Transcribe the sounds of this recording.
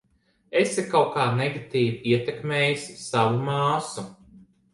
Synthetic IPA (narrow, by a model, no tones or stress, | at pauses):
esikawkaːneɡat̪iːviiɛt̪ekmʲeːjisʲsavumaːsu